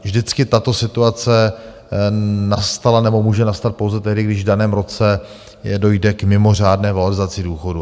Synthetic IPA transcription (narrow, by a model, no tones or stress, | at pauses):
vʒdɪt͡skɪt̪at̪o̞sɪt̪uat͡sɛ | nast̪alanɛbo̞muːʒɛnast̪at̪̚powzɛt̪ɛɦdɪɡdɪʒvdanɛːmɾo̞t͡sɛ | jɛdo̞jdɛkmɪmo̞r̝aːdnɛːvaloɾɪzat͡sɪduːxo̞du